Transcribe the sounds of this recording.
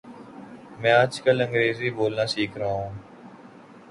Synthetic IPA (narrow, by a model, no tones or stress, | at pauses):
mɛ̃ːaːd͡ʒkələ̃ŋɡɾeːziːboːlnãːsiːkʰɾəaõː